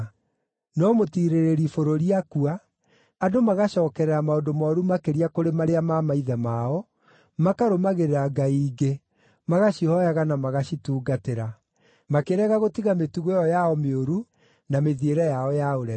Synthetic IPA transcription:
nɔmotiɾeɾeɾifoɾoɾiakuaː | domaɣaʃɔːkɛɾɛɾamaondomaɔɾumakeɾiakoɾemaɾeamamaiðɛmaɔ | makaɾomaɣeɾeɾaɡaiːɡe | maɣaɕihɔjaɣanamaɣaɕituːɡateɾa | makeɾɛɣaɣotiɣametuɣɔjɔjaɔmeoɾu | nameðieɾɛjaɔjaoɾɛ

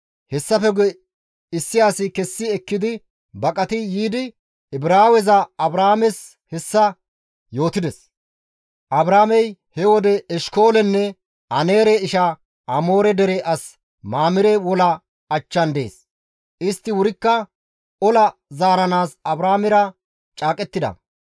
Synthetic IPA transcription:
hɛsːɐfɛɡ | ɪsːɪjaːsɪkɛsːɪɛkːɪd̪ɪ | bɐkʼɐt̪ɪjiːd̪ɪ | ɪbɾaːwɛzɐɐbɾaːmɛs | hɛsːɐ | jo̞ːt̪ɪd̪ɛs | ʔɐbɾaːmɛjhɛwɔd̪ɛɛʃko̞ːlɛnːɛ | ɐneːɾɛɪʃɐ | ɐmo̞ːɾɛd̪ɛɾɛʔɐs | maːmɪɾɛwɔlɐ | ɐt͡ʃːɐnd̪e̞̰ːs | ʔɪst̪ːɪwʊɾɪkːɐ | ɔlɐzaːɾɐnaːsɐbɾaːmɪɾɐ | t͡ʃʼaːkʼɛt̪ːɪd̪ɐ̰

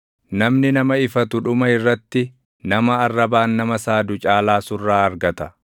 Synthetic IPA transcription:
nɐmnɪnɐmɐɪfɐt̪ʊᶑʊmɐɪrːɐt̪ːɪ | nɐmɐɐrːɐbaːnːɐmɐsaːd̪ʊt͡ʃʼaːlaːsʊrːaːɐɾɡɐt̪ɐ

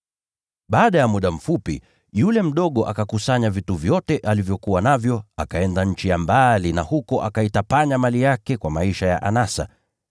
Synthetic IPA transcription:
ɓaːɗajamuɗam̩fupḭ | julɛm̩ɗɔɠɔʔakakusaɲavituvjɔtɛʔalivjɔkuwanavjɔakaɛndaɲ̩t͡ʃijambalinahukɔʔakaitapaɲamalijakɛkwamaiʃaja̰ʔanasa̰

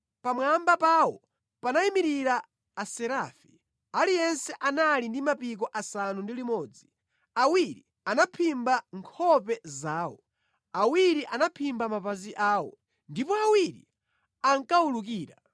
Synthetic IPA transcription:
pamwambapaːwɔ | panaimiɾiɾaː | sɛɾaːfi | alijɛnsɛʔanalindimapik̬ɔʔasanundilimɔːd͡zi | awiɾḭ | anapʰimbaŋkʰɔpɛzaːwɔ | awiɾiʔanapʰimbamapaziʔaːwɔ̰ | ndipɔawiɾḭ | aŋkauluk̬iːɾa

